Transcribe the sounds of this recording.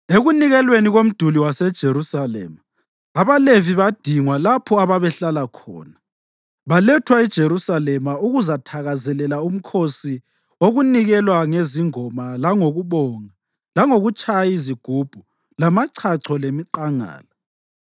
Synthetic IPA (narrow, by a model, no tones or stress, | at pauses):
eɣuniɣɛlweniɣom̩d̥ʱuliwasɛd̥ʒ̥ʱeɾusalɛ̰ma | aβaleviβad̥ʱiŋwalapʰɔaβaβɛɬalakʰɔ̰ːna | βalɛtʰwaid̥ʒ̥ʱeɾusalɛmauɣuzatʰaɣazɛlɛlaum̩kʰosi | oɣuniɣɛlwaŋeziŋɔmalaŋoɣuβɔːŋa | laŋoɣut͡ʃʼajajiziɡ̥ʱub̥ʱu | lamaǀʰaǀʰɔlemiǃaŋa̰ːla